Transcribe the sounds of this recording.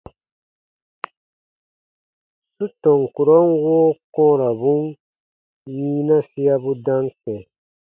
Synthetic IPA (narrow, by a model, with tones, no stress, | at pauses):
su˦tɔ˨ŋku˨ɾo˦nwoː˦kɔ̃ː˦ɾa˨bũ˦ŋ | ji˦na˦si˦ja˦bu˦da˦ŋkɛ̃˨